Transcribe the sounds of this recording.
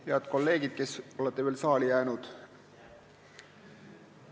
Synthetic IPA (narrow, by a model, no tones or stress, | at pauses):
heɑd̪̥ko̞lːe̞ːɡ̥id̪̥̚ke̞so̞let̪ːˑeeːlsɑːlijæːnud̪̥